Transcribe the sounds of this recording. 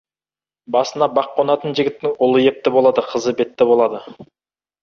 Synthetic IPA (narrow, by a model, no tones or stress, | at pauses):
bɑsənɑbɑqːonɑt̪ənʒɪɡʲɪt̪ːɪŋʊlˠəje̞p̚t̪ɪbo̞lˠɑd̪əqʰəzəbe̞t̪ːɪbo̞lˠɑd̪ə